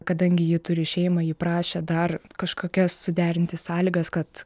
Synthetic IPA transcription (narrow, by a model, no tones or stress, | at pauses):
kɐd̪ɐŋʲɡʲɪjɪt̪ʊɾʲɪʃʲɛɪmɐjɪpɾɑːʃʲed̪ɐrkɐʃkoːkʲɛsːʊd̪ʲæːɾʲɪnʲt̪ʲɪssɑːlʲiːɡɐskɐt̪